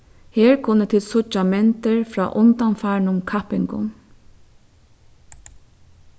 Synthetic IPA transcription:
heːɹkʰʊnːət̪ʰɪlsʊt͡ʃamɛnt̪əɹfɾɑ̰ːʔʊnt̪amfɑɳʊmkʰɑpɪŋkʊ̰n

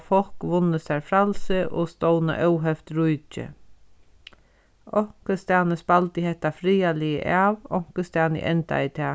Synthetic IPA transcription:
fɔlkʋʊnːəst̪æɾfɾalsɪʔʊ̰ːst̪ɔwnə̰ʔœwɦɛft̪ɾujt͡ʃɪ̰ | ɔŋ̥kəst̪aːnəspalt̪ɪɦɛht̪ːafɾiːalɪə̰ʔaːʋɔŋ̥kəst̪aːnə̰ʔɛnt̪a̰it̪ʰɛː

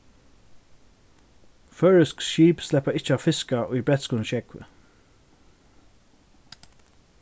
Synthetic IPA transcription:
fœːɹɪskʃiːpslɛpaɪht͡ʃəaʋfɪskaʔʊjbɹɛt̪skuːnʃɛkʋɪ̰

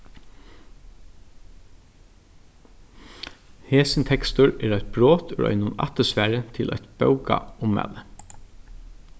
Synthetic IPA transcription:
heːsɪnt̪ʰɛkst̪ʊɹɛːɾæjt̪̚bɹoːt̪ʰʉɹʔœ̰ʏnʊna̰t̪əsfæːɹət̪ʰɪlʔɛt̪bœwka̰ʊmæ̰ːlə

